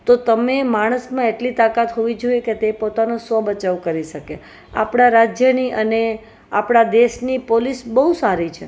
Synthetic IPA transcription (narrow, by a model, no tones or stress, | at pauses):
t̪ot̪əmemaɽ̃əsmãeʈlit̪akat̪ɦoʋid͡ʒoieket̪epot̪anosʋəbət͡ʃaʋkəɾiʃəke | a̰pɽ̃aɾad͡ʒjəniʔəne | apɽ̃ad̪eʃnipolisbəɦusaɾit͡ʃʰe